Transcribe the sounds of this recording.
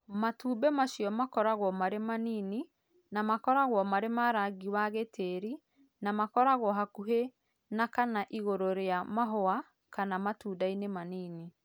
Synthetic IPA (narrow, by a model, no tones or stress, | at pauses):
matuːbɛmaʃijɔmakɔɾaɣwɔmaɾemaniːni | namakɔɾaɣwɔmaɾemaɾaɡiwaɣetʰeɾi | namakɔɾaɣwɔɦakuɦe | nakanaʔiɣoɾoɾeamaɦoa | kanamatuːdainemaniːni